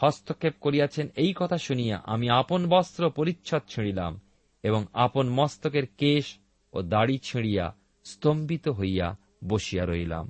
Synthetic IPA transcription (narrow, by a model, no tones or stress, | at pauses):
hɔst̪okʰːep̚koɾijat͡ɕʰenejkɔt̪ʰaʃunija̰ʔamiaponbɔst̪ɾopoɾitːɕʰot̪̚t͡ɕʰiɽila̰m | eboŋaponmɔst̪okeɾkeʃ | o̰d̪aɽit͡ɕʰiɽija̰ | st̪ombit̪oɦojja̰ | boʃijaɾojla̰m